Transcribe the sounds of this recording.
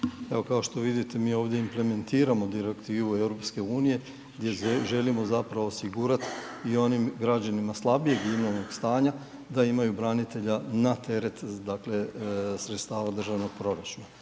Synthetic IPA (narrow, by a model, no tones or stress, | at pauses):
e̞ʋo̞kao̞ʃt̪o̞ʋid̪it̪e̞miːo̞ːʋd̪jeimple̞me̞nt̪iːɾamo̞d̪iɾe̞kt̪iːʋue̞wɾo̞pske̞uːnije̞ | ɡd̪je̞ʒe̞limo̞zapɾaʋoːsiɡuːɾat̪ | io̞nimɡɾad͡ʑanimaslˠabije̞ɡimnolno̞ɡst̪aːɲa | d̪aimajubɾanit̪e̞ʎanat̪e̞ɾe̞t̪d̪akle̞sɾet̪st̪aːʋad̪r̩ʒaʋno̞ɡ̚pɾo̞ɾat͡ʃuna